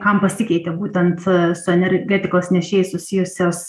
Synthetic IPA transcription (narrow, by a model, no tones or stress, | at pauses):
kɐmpɐsʲɪkʲɛɪt̪ʲɛbuːt̪ʲɛnt̪sʊɛnʲɛɾʲɡʲɛt̪ʲɪkoːsnʲɛʃʲeːjɪsʊsʲɪjʊsʲoːs